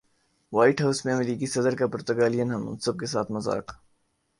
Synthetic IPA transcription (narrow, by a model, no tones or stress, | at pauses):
waːɪʈɦaʊsmẽɐmɾiːkisɐd̪əɾkapʊɾt̪ɐɡaːlijənɦɐmʊ̰̃nsɐb̚kesaːt̪ʰmɐza̰ːk